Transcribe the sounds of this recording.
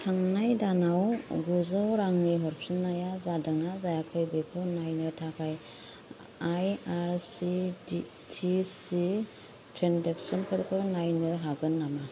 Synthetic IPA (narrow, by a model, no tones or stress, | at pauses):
tʰaŋnajdanawɡuzawɾaŋniɦɔɾpʰinajazadɯŋazajakʰɯjbekʰɯwnajnɯtʰakʰaj | ajaɾsid | tʰisi | tʰɾendeksenpʰɯɾkʰɯwnajnɯɦaɡɯnːama